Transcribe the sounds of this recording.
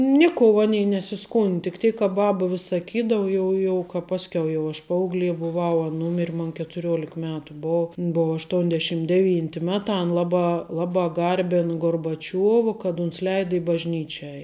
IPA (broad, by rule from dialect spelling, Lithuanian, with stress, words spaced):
ˈnʲɪˌkoːʊ ˈɑːnʲɛɪ nʲɛsʲɪˈskʊnt tʲɪk ˈtʲeːɪk kɐ ˈbɑːbɐ ʋʲɪs sɐˈkʲiːdɐʋʊ ˈjɛʊ jɛʊ kɐ ˈpɑːsʲkʲɛʊ jɛʊ ˈɐʃ ˈpɐɐʊɡˌlʲeː bʊˈʋɐʊ ɐn ˈnuːmʲɪrʲ moːn kʲɛtʊˈrʲoːlʲɪk ˈmʲæːtʊ ˈboːw ɪn ˈboːw ɐʃˈtuɔnʲdʲɛʃʲɪm dʲɛˈʋʲiːnʲtʲɪ ˈmʲæːˌtɑː ɐn ˈlˠɑːˌbɑː ˈlˠɑːˌbɑː ˈɡɐrʲbʲɪn ɡoːrbɐˈt͡ʃʲuɔʋɐ kɐt ʊns ˈlʲɛɪdɐ ɪ bɐʒʲˈnʲiːt͡ʃʲɛ ˈɛɪ